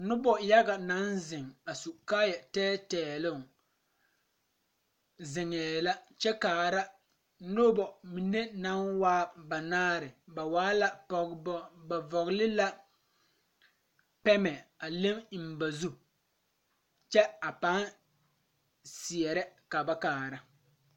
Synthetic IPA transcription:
nʊ˦bɔ˨ja˦ɡa˨na˨˦nzɪ˨ŋa˨su˨kaː˦jɛ˨tɛː˦tɛː˨lʊ˦˨ | zɪ˨ŋɛː˨la˦t͡ʃɛ˦kaː˨ɾa˦ | nʊ˦bɔ˨mi˨ne˦na˦nwaː˦ba˨naː˦ɾɪ˨ba˨waː˦la˦pɔ˨bba˨vɔ˨ɣlɪ˦la˦ | pɛ˦mɛ˨a˨le˦m˨m̩˨ba˨zu˦ | t͡ʃɛ˦a˨pa˦ | sɪ˨ɛ˨ɾɛ˦ka˨ba˦kaː˨ɾa˦

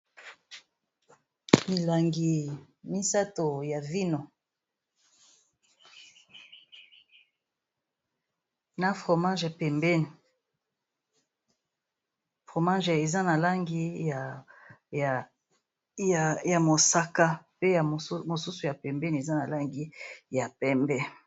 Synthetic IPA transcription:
mi˨la˨ŋɡi˨ | mi˦sa˦to˨ja˨vi˦no˨ | na˨fʁo˨mã˦ʒɛ˨pɛ˨mbɛ˦ni˨ | fʁo˨ma˦ʒe˨za˦na˨la˦ŋɡi˦a˨j | ja˨ja˨mo˨sa˦ka˦pe˦ja˨˦mo˨su˦su˨ja˨pɛ˨mbɛ˦ni˨e˨za˦na˨la˦ŋɡi˦ja˨pɛ˦mbɛ˦

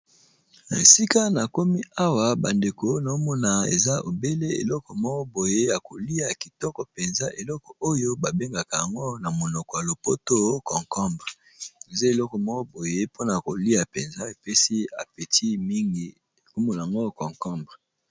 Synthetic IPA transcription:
na˨e˨si˦ka˦na˨ko˦mi˦a˦wa˨ba˨nde˨ko˨˦na˨o˦mɔ˦na˨ḛ˨za˦o̰˨be˦le˦ḛ˨lɔ˦kɔ˨mɔ˦kɔ˦bo˨je˦ja˨ko˨li˦a˨ki˨tɔ˦kɔ˨pe˨nza˦ʔe˨lɔ˦kɔ˨o˦jo˦ba˨be˦ŋɡa˨ka˨ja˨ŋɡo˦na˨mo˨nɔ˨kɔ˨ja˨lo˨po˦to˦kɔ˨ŋkɔ˦mba˨ | e˨za˦e˨lɔ˦kɔ˨mɔ˦kɔ˦bo˨je˦po˦na˨ko˨li˦a˨pe˨nza˦e˨pe˦si˦a̰˨pe˨tʰi˦mi˦ŋɡi˦ | e˨ku˦mo˦n˨a˨ŋɡo˦kɔ˨ŋkɔ˦mba˨

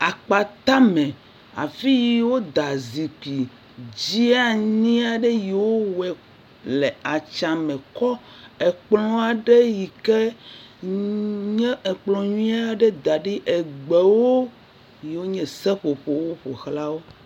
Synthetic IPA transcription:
a˨k͡pa˨t̪a˦mɛ̃˨ | a̰˨fi˦ji˨wo˦d̪a˨zi˨ki˨ | d͡ʑi˦a˦ɲĩ˦a˨ɖe˦ji˨wo˦wɛ˨ | le˨a˨t͡ʃa˨mɛ̃˨kɔ˦ | ɛ˨k͡plɔ̃˦a˨ɖe˦ji˨kɛ˦ | ɲɛ̃˦ɛ˨k͡plɔ̃˨ɲuĩ˦a˦ɖe˦d̪a˨ɖi˦ʔɛ˨ɡ͡be˨wo˦ | ji˨wo˦ɲɛ̃˨sɛ˦ɸo˨ɸo˨wo˦ɸo˨xla˦wo˦

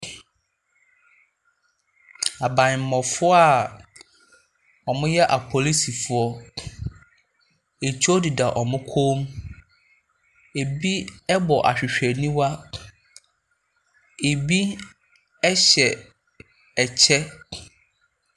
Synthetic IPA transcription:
a˨bã˨ɲ˨m̩˨mɔ̃˨fʊ˦ɔ˦a˨ | ɔ˨mʊ̃˦jɛ˦ʔa˨pʰɔ˨li˦si˨fʊ˦ɔ˦ | e˨t͡ɕʰu˦ɔ˦di˨da˨ʔɔ˨mʊ̃˦kʰo˦m | e˨bi˦ɛ˦bɔ˨ʔa̰˨ɕᶣɪ˨ɕᶣɛ˨nĩ˦wa˦ | e˨bi˦ | ɛ˦ɕɛ˨ | ɛ˨t͡ɕʰɛ˦

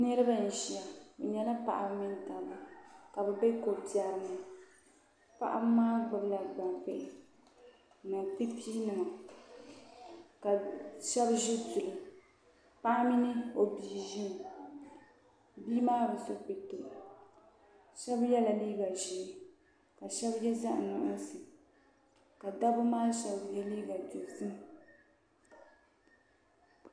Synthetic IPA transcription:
nɛ˦ɾɨ˦ba˦˨n̩˨ʒi˨a˨bɛ˨ɲɛ˨la˦pa̰˨ʔa˨˦mi˦n˦ta˨ma˦ka˨bɛ˨bɛ˦ko˨bi˨a˨ɾɨ˨ma˨ | pa̰˦˨ʔa̰˦maː˦ɡ͡bʊ˨bla˨ɡ͡ba˨mpɛ˦ʔɪ˨ | nɨ˨k͡pi˦pʰi˦nɨ˨ŋa˨ | ka˨ʃɛ˦bʒi˦tu˨lɨ˨ | pa˦ʔa˦mi˦nɨ˦o˨biː˨ʒi˦m˨ | biː˦maː˦bɨ˨so˦k͡pi˨tʊ˨ʔa˨ | ʃɛ˦bjɛ˦la˨liː˦ɡa˨ʒɛ˨ | ka˨ʃɛ˦bjɛ˦za˦ʔnʊ˨ʔʊ˦sɨ˨ | ka˨da˦bʊ˦maː˦ʃɛ˦bjɛ˦liː˦ɡa˨du˨sɨ˦m

